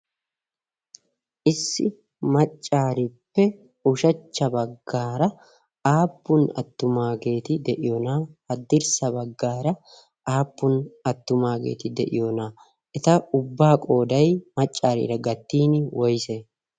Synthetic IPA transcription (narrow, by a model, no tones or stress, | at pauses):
ʔɪsːɪ | mɐt͡ʃʼːaːɾipːɛ | ʊʃɐt͡ʃːɐbɐɡːaːɾɐ | aːpːʊnɐ̰t̪ːʊmaːɡe̞ːt̪ɪd̪ɛʔɪjonaːhɐd̪ːɪɾsɐbɐɡːaːɾɐ | ʔaːpːʊnɐt̪ːʊmaːɡḛːt̪ɪd̪ɛ̰ʔɪ̰jonaː | ʔɛt̪ɐʊbːaːkʼo̞ːd̪ɐjmɐt͡ʃʼːaːɾḭːɾɐɡɐt̪ːiːnwɔjseː